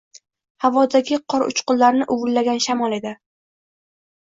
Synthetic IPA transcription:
havɒd̪aɡʲɪqʰɒɾʊ̰t͡ʃqʊllːaɾnɪʔʊvʊlːaɡʲanʃamɒlˠe̞d̪ɪ

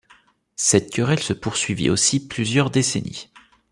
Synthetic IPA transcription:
sɛt̪̚kʲœʁɛlsəpuʁsɥivḭʔosiplyzjœʁd̪esenḭ

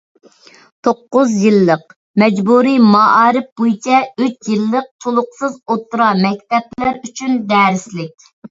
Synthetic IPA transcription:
t̪ʰoqːʊzjilˠːəq | mɛd͡ʒbuɾimɑɑːɾɪf̚bojit͡ʃʰɛyt͡ʃjilˠːəq̚t̪ʰolˠʊqsɨzot̪ːuɾɑmɛk̚ʲt̪ɛplæɾyt͡ʃʰynd̪ɛːɾɪslɪk̚ʲ

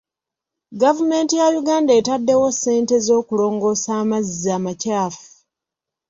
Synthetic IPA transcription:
ɡavume̞ːntijajuɡaːndaetadːe̞wo̞se̞ːnte̞zo̞ːkulo̞ːŋɡo̞ːsaːmazizaːmacaːfu̥

